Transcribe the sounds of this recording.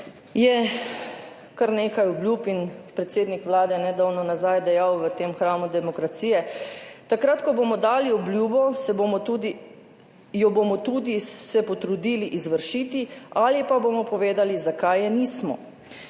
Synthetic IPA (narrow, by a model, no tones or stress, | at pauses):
jɛ | kaɾneːkajɔbljupinpɾɛt̪seːd̪nikʋlaːd̪ɛnɛd̪awnɔnazajd̪ɛjawʋət̪eːmxɾaːmud̪ɛmɔkɾat̪siːjɛt̪akɾat̪kɔbomɔd̪aːliɔbljuːbɔsɛboɔud̪i | jɔbomɔt̪uːd̪isɛpɔt̪ɾud̪iːliʔizʋəɾʃiːt̪iʔalipaboːmɔpɔʋeːd̪alizakajɛniːsmɔ̰